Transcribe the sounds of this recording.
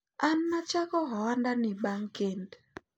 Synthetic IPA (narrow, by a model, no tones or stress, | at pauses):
anːat͡ʃakɔɦɔandanɪbaŋkend